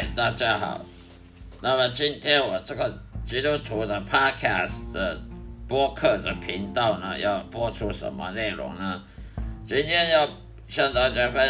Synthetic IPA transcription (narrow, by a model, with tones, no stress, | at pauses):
t̪a˥˧t͡ɕja˥xɑ̰˨˩ʊ | na˥˩mə˨˩t͡ɕi˥nt̪ʰjɛ˥nwɔ˨˩ʈ͡ʂə˥˩ɡə˩t͡ɕi˥t̪u˦˥t̪ʰu˧˥d̪ə˨pʰɑ˥d̚kʰa˥˩sd̪ə˨pwɔ˥kʰɤ˥˩d̪ə˨˩pʰi˧˥ŋt̪ɑ˥˩ʊnə˨jɑ˥˩ʊpwɔ˥ʈ͡ʂʰu˥ʂə̰˨˩˦nmə̰˧ne˥˩ɪɻʊ̰˧˥ŋnə˧ | t͡ɕi˥nt̪ʰjɛ˥njɑ˥˩ʊ | ɕjɑ˥˧ŋt̪ɑ˥ŋt͡ɕa˥fə˥